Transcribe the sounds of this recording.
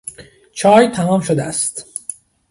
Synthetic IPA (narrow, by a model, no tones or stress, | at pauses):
t͡ʃʰɒːjt̪ʰæmɒːmʃod̪eæst̪